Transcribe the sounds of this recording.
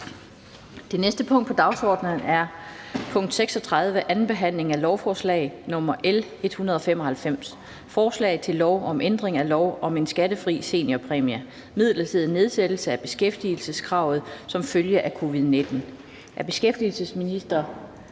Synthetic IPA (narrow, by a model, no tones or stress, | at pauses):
d̥e̝nesd̥əpʰɔ̽ŋ̰d̥pʰɒ̽d̥ɑ̈ʊsɒːd̥nən̩æɐpʰɔ̽ŋ̰d̥seɡ̥sɒ̽t͡sʰʁað̞ˠʋəʔæn̩b̥e̝ɦæn̰le̝ŋælɒʊfɒːslɛ̰ɪnɔ̽mɐʔele̝d̥hunɐðˠɒ̽femɒ̽hælfem̰s | fɒːslɛ̰ɪðˠt͡sʰe̝lːɒʊʔɒ̽mʔend̥ʁeŋælɒʊɒ̽me̝nsɡ̥æd̥əfʁḭːse̝̰ːnɒpʰʁɛmiæ | mið̞̰ˠlɐt͡sʰe̝ð̰ˠne̝ð̞ˠsed̥l̩səæb̥e̝sɡ̥efd̥il̩səskʰʁɑ̈ʊð̩ˠsɒ̽mføljəʔækʰo̝ːʋiðˠne̝d̥n̩ | ʔæɐb̥e̝sɡ̥efd̥ilsəsminisd̥ɐ